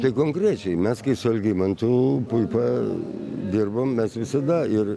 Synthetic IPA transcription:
t̪ɐɪkoːŋkɾʲæt͡ʃʲɛɪmʲɛskɐɪsʊɐlʲɡʲiːmɐnt̪ʊpʊɪpɐ | d̪ʲɪrbommʲɛsʋʲɪsɐd̪ɐɪr

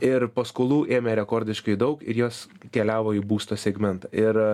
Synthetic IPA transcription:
ɪɾpɐskoːlˠuːʔeːmʲɛɾʲɛkoːɾʲd̪ʲɪʃkɐɪd̪ɐʊkɪ̰ɾjoːs | kʲɛlʲæːʋoːiːbuːst̪oːsʲɛɡmʲɛnt̪ɐɪɾ

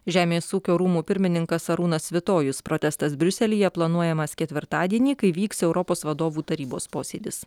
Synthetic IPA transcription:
ʒʲæːmʲeːsuːkʲoːɾuːmuːpʲɪɾʲmʲɪnʲɪŋkɐsɐɾuːnɐsʋʲɪt̪oːjʊspɾot̪ʲɛst̪ɐsbʲɾʲʊsʲɛlʲiːjɛplˠɐnuɔjɛmɐskʲɛt̪ʲʋʲɪɾt̪ɑːd̪ʲiɛnʲiːkɐɪʋʲiːksɛʊɾɔpoːsʋɐd̪oːʋuːt̪ɐɾʲiːboːspoːsʲeːd̪ʲɪs

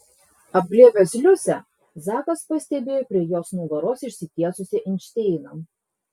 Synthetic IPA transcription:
ɐb̚ɡlʲiɛʋʲɛsʲlʲʊsʲɛ | zɑːkɐspɐsʲt̪ʲɛbʲeːjoːpʲɾʲiɛjoːsnuːɡɐɾoːsɪʃʲsʲɪt̪ʲiɛsʊsʲɪʔɪnʲʃʲt̪ʲeˑːɪnɐm

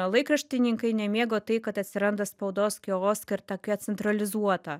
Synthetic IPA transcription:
lˠɐɪkɾɐʃʲt̪ʲɪnʲɪŋkɐɪnʲɛmʲeːɡoːt̪ɐɪkɐt̪ɐt̪ʲsʲɪɾɐnd̪ɐspɐʊd̪oːskʲoːoːskɐɪɾt̪ɐkʲɛt̪sʲɛnt̪ɾɐlʲɪzuɔt̪ɐ

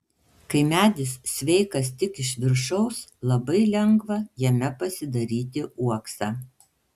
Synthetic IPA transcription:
kɐɪmʲæːd̪ʲɪssʲʋʲɛɪkɐst̪ʲɪkɪʃʲʋʲɪɾʃɐʊslˠɐbɐɪlʲɛŋɡʋɐjɛmʲɛpɐsʲɪd̪ɐɾʲiːt̪ʲɪʔuɔksɑː

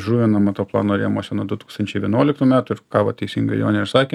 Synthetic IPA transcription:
ʒuːʋʲonɐmɑt̪oːplˠɑ̰ːnoːɾʲiɛjmoːsʲɛnod̪ʊt̪uːkst̪ɐnʲt͡ʃʲɛɪʋʲiɛnuɔlʲɪkt̪uːmʲæːt̪ʊɪɾkɑːʋɐt̪ʲɛɪsʲiŋɡɐɪjo̰ːnʲɛɪɾsɑːkʲe

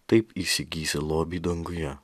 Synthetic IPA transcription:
t̪ɐɪpiːsʲɪɡʲiːsʲɪlˠoːbʲiːd̪ɐŋɡʊjɛ

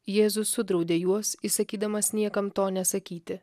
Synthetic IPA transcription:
jeːzʊsʊd̪ɾɒʊd̪ʲeːjuɔsɪsɐkʲiːd̪ɐmɐsnʲiɛkɐmt̪oːnʲɛsɐkʲiːt̪ʲɪ

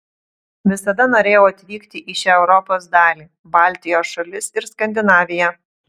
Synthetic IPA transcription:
ʋʲɪsɐd̪ɐnoːɾʲeːjoːɐt̪ʲʋʲiːkt̪ʲɪʔɪʃʲɛɛʊɾɔpoːs̬d̪ɑːlʲiː | bɑːˑlʲt̪ʲɪjoːsʃɐlʲɪsɪɾskɐnʲd̪ʲɪnɑːʋʲɪjɛ

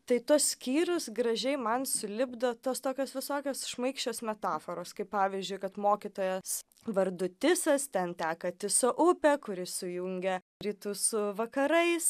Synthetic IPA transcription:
t̪ɐɪt̪uɔssʲkʲiːɾʊsɡɾɐʒʲɛɪmɐnsʊlʲɪbd̪oːt̪oːst̪oːkʲoːsʋʲɪsoːkʲoːsʃmɐɪkʃʲt͡ʃʲoːsmʲɛt̪ɑːfoːɾoːskɐɪppɑːʋʲizʲd͡ʒʲʊɪkɐt̪moːkʲit̪oːjɛs | ʋɐɾd̪ʊt̪ʲɪsɐst̪ʲɛnt̪ʲæːkɐt̪ʲɪsoʔʊpʲɛkʊɾʲɪsʊjʊŋʲɡʲɛ | ɾʲiːt̪uːsʊʋɐkɐɾɐɪs

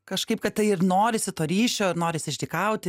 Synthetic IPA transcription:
kɐʃkɐɪpkɐt̪̚t̪ɐɪɪrnoːɾʲɪsʲɪt̪oːɾʲiːʃʲoːɪɾnoːɾʲɪsʲɪʃʲd̪ʲɪkɐʊt̪ʲɪ

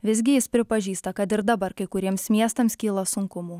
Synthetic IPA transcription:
ʋʲɪzʲɡʲɪjɪspʲɾʲɪpɐʒʲiːst̪ɐkɐt̪ɪɾd̪ɐbɐɾkɐɪkʊɾʲiɛmsmʲiɛst̪ɐmskʲiːlˠɐsʊŋkʊmuː

